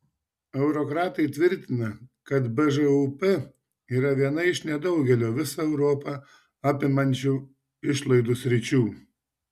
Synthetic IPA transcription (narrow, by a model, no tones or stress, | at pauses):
ɛʊɾɔkɾɑːt̪ɐɪt̪ʲʋʲɪɾʲt̪ʲɪnɐkɐt̪bɛʒɛupɛ | iːɾɐʋʲiɛnɐɪʃnʲɛd̪ɒʊɡʲɛlʲoːʋʲɪsɐɛʊɾoːpɑ | ɑːpʲɪmɐnʲt͡ʃʲuː | ɪʃlˠɐɪd̪usʲɾʲɪt͡ʃʲuː